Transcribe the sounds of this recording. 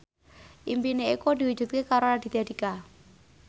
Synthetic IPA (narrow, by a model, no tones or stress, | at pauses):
ʔimpineikod̪i̤wud̥ʒ̥ṳt̪̚kekaɾonad̪̥i̤t̪ad̪ika